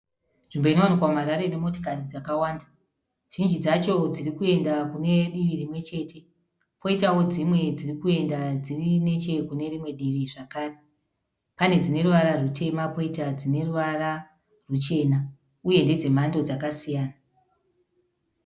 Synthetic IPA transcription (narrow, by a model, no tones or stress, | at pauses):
ʐ̥imbo̞ino̞wanikwamaɾaɾe̞ne̞mo̞to̥kanid͡zakawaːnda | ʒ̥ind͡ʒid͡zat͡ʃo̞d͡zirikue̞ndakune̞ɗiʋiɾimwe̞t͡ʃe̞ːtʰe̞ | po̞itawo̞d͡zimwe̞d͡zirikue̞ndad͡zirine̞t͡ʃe̞kune̞rimwe̞ɗiʋiʐakaːre | pane̞d͡zine̞ruʋaɾarutʰe̞mapo̞itad͡zine̞ruʋara | rut͡ʃe̞ːna | uje̞nde̞d͡ze̞m̤ando̞d͡zakasijaːna